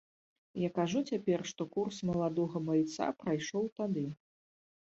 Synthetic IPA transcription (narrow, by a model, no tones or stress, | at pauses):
jakaʐut͡sʲapʲɛrʂt̪ɔkursmɐlˠad̪ɔɣɐmajt̪sa̰pɾajʂɔwt̪ad̪ɨ